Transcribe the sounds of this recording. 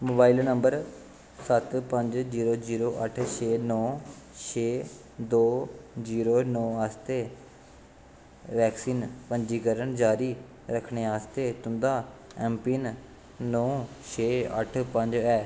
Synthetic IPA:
moːbaːilnəmbəɾ | sət̪pəɲd͡ʒziːɾoːziːɾoːʔəʈʰt͡ʃʰeːnɔː | t͡ʃʰeː | d̪oːziːɾoːnɔːaːst̪eː | ʋɛːksiːnpəɲd͡ʒiːkəɾəɳd͡ʒaːɾiː | ɾəkʰɳeːaːst̪eːt̪ʊnd̪aːɛːmpiːn | nɔ̃ːt͡ʃʰeːə̰ʈʰpəɲd͡ʒɛː

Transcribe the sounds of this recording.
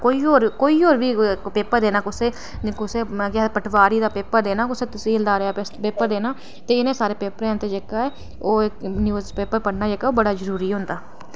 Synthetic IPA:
koːiːoːɾkoːiːoːɾʋiːpeːpəɾd̪eːnaːkʊseː | kʊseːkjapəʈʰʋaːɾiːd̪aːpeːpəɾd̪eːnaːkʊsẽːt̪ʊsĩːld̪aːɾeaːpeːpəɾd̪eːnaː | t̪eːɪnẽːsaːɾeːpeːpəɾɛ̃ːnt̪eːd͡ʒekaːɛː | oːeniːpeːpəɾpəɽnaːd͡ʒeːkaːoːbəɽaːzəɾuːɾiːɦʊ̃ːnd̪aː

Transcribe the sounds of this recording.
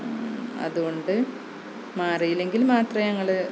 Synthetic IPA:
ɐ̰ðuɣo̞ɳɖɨ | maːrijile̞ŋɡilmaːt̪rɐɲɐŋːɐɭɨ

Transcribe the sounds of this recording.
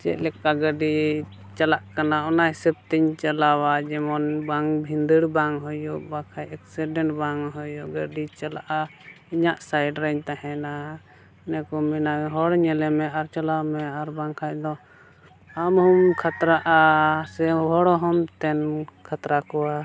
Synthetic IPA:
t͡ʃɛ̰ʔlɛkːaɡəɖi | t͡ʃalaʔkanaɔnajsɛp̚t̪iɲt͡ʃalawad͡ʒɛmɔnbaŋbʱind̪əɽbaŋɦɔjɔbakʰajɛksiɖɛɳʈbaŋɦɔjɔɡəɖit͡ʃalaʔa | iɲaʔsajɖɾɛɲt̪ahɛna | nɛkɔminaɦɔɽɲɛlɛmɛaɾt͡ʃalamɛaɾbaŋkʰajd̪ɔ | amhumkʰat̪ɾaʔasɛbɔɽɔɦɔmt̪ɛnkʰat̪ɾakɔwa

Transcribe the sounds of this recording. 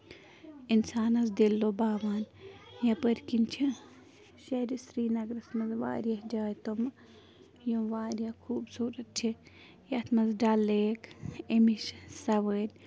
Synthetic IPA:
insaːnɐzd̪elːobaːʋaːnjɐpəɾkint͡ʃʰi | ʃɐɾisɾiːnɐɡɾɐsmɐzʋa̰ːɾjɐhd͡ʒaːjt̪omɐ | jõʋaːɾjɐkʰuːbsuːɾɐt̪̚t͡ʃʰi | jɐt̪ʰmɐzɖaːlːeːkemiʃsɐʋəːdʲ

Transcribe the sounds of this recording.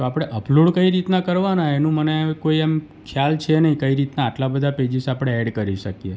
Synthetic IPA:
t̪oapɽ̃eʔəpluɽkəiɾit̪nakəɾʋanaenũmənekoiɛm | kʰjalt͡ʃʰenəɦĩkəiɾit̪naːʈlabəd̪ʱaped͡ʒisapɽ̃eɛɖkəɾiʃəkje

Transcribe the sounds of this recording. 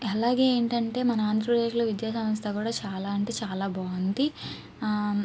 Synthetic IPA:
ɐlaːɡe̞ːeːɳʈɐɳʈe̞ːmɐnɐaːnd̪ʱɾɐpɾd̪eːʃloːʋid̪jaːsɐmɐst̪ɐkuːɽaːt͡ʃaːlaːɐɳʈeːt͡ʃaːlaːbʱaːʋɐnt̪i

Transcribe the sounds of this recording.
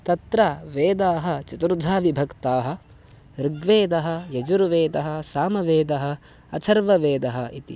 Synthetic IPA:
t̪ɐt̪ɾaʋeːd̪aːɦɐ̆t͡ʃɐt̪ɾud̪ʱaːʋibʱɐkt̪aːɦɐ̆ | ɾiɡʋeːd̪ɐɦɐ̆jɐd͡ʒuɾʋeːd̪ɐɦɐ̆saːmɐʋeːd̪ɐɦɐ̆ | ɐsʰɐɾʋɐʋeːd̪ɐɦɐit̪ḭ

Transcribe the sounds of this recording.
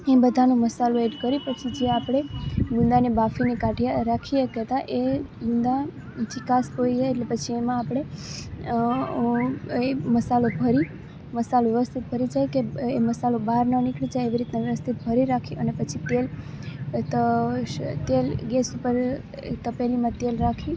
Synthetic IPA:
ebəd̪ʱanõməsaloeɖkəɾipət͡ʃʰid͡ʒeapɽ̃eɡũnd̪anebafinikaʈʰijaɾakʰiekɛt̪aʔeɡũnd̪a | t̪ʰikaspoid͡ʒaeʈlepət͡ʃʰiemãːpɽ̃e | eməsalobʱəɾi | məsaloʋjəʋəst̪ʰit̪̚bʱəɾid͡ʒajkeeməsalobaɾnənikɭid͡ʒajeʋiɾit̪naʋjəʋəst̪ʰit̪̚bʱəɾiɾakʰiʔənepət͡ʃʰit̪el | t̪ə | t̪elɡesupəɾ | t̪əpelimãt̪elɾakʰi

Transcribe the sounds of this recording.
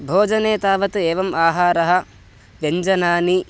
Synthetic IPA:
bʱoːd͡ʒɐneːt̪aːʋɐt̪eːʋɐmaːɦaːɾɐɦɐ̆ | ʋjɐɲd͡ʒɐnaːni

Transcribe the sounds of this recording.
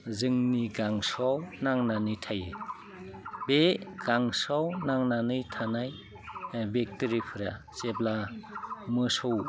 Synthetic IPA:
zɯŋniɡaŋsɔwnaŋnanɯjtʰajɯ | beɡ̥aŋsɔwnaŋnanɯjtʰanaj | bek̚tiɾipʰɯɾa | sebla | mɯsow

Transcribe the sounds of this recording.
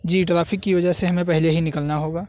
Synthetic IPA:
d͡ʒiːʈɾaːfɪkːiʋɐd͡ʒəɦseɦɐmẽpɛɦleɦinɪkəlnaɦoːɡaː

